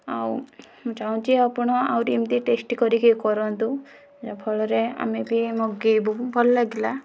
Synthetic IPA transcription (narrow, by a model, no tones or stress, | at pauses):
a̰w | mũd͡ʒaũt͡ʃʰiɔpɔɽ̃ɔa̰wɾiimt̪iʈesʈikɔɾikikɔɾɔnt̪u | d͡ʒapʰɔɭɔɾea̰mebimɔɡibubʱɔlɔlaɡila